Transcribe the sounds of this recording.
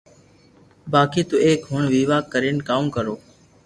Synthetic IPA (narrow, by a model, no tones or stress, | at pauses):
baːkiːt̪uːeːkɦʊɳʋiːʋaːkːəɾeːnkaːmkəɾoː